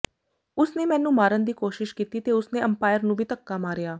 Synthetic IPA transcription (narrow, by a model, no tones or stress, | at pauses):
ʊsneːmɛ̃ːnũːmaːɾənd̪iːkoːʃɪʃkiːt̪iːt̪eːʊsneːəmpaːɪjəɾnũːbʱiːt̪əkːaːmaːɾɪjaː